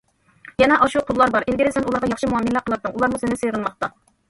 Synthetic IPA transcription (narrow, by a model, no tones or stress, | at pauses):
jɛnɛʔɑʃuqʰʊlˠːɑɾbɑɾʔelɡʲiɾɪsɛnulˠɑɾʁɑjɑχʃimuɑminlːəqʰəlˠɨɾd̪ɨŋʔulˠɑɾmusɪnɪseɾɨnmɑχt̪ɑ